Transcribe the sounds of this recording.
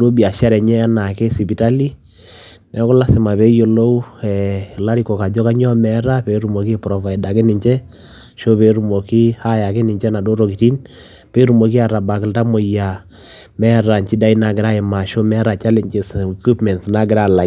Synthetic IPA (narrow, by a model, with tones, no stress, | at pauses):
do˦bi˨a˨ʃa˦ɾɛ˨ɲɛ˦a˦na˨kɛ˦si˨pi˨ta˦li˦ | nɛ˨kʊ˦la˦sɪ˨ma˨pe˦jo˨lo˦u˦ɛ˨la˦ɾi˦ko˨ka˨d͡ʒɔ˦ka˦ɲɔ˦mɛ˦ɾa˦pe˨˦ɾu˨mo˨ki˦pɾɔ˨fa˨i˨da˨kɪ˦nɪ˨ɲt͡ʃɛ˦ | ʃo˦pe˨˦ɾu˨mo˨ki˦ha˦ja˨kɪ˦nɪ˨ɲt͡ʃɛ˦na˨do˦ɾo˨ki˨ti˦n | pe˦ɾu˨mo˨ki˦a˨ɾa˨ba˨kɪ˨lta˦mo˨ja˨ | mɛ˦ɾa˨ɲt͡ʃi˦da˦i˦na˨ɡɪ˨ɾa˦ɪ˨ma˨ʃo˦mɛ˦ɾa˨t͡ʃa˦le˨ɲd͡ʒe˨sku˦pmɛ˨nsna˦ɡɪ˨ɾa˦˨la˨